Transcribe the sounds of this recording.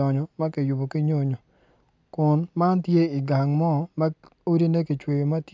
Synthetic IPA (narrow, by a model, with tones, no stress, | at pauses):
ɔ˨ɲɔ˨ma˦ke˨ju˨bo˨ki˦ɲo˦ɲo˨ | kʊ˨nma˦ntje˦ɪ˨ɡa˨ŋmɔ˦˨ma˦o˦di˦ne˦ki˨t͡ʃwe˨jo˨ma˦t